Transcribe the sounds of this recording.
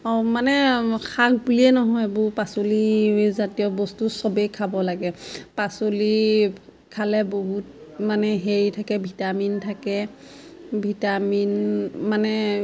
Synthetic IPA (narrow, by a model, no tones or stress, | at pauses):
ɔmanɛkʰaɡ̚buliɛnɔɦɔjbʊɹpasolizatiɔbɔstusɔbekʰabɔlaɡɛpasoli | kʰalɛboɦut̚manɛɦeɹitʰakɛbʱitamintʰakɛ | bʱitaminmanɛ